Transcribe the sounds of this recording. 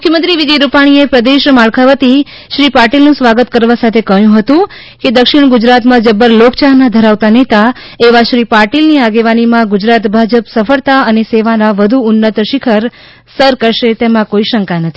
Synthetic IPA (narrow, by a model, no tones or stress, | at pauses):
mmʊkʰjəmənt̪ɾiʋid͡ʒəjɾupaɽ̃iepɾəd̪eʃmaɭkʰaʋət̪i | ʃɾipaɾʈilnũsʋaɡət̪kəɾʋasat̪ʰekəɦjũɦət̪ũ | ked̪əkʃɪɽ̃ɡʊd͡ʒɾat̪mãd͡ʒəbːəɾlokt͡ʃaɦnad̪ʱəɾaʋt̪anet̪a | eʋaʃɾipaɾʈilniaɡeʋanimãɡʊd͡ʒɾat̪bʱad͡ʒəpsəfəɭt̪aəneseʋanaʋəd̪ʱuʊnːət̪ʃɪkʰəɾ | səɾkəɾʃet̪emãkoiʃəŋkanət̪ʰi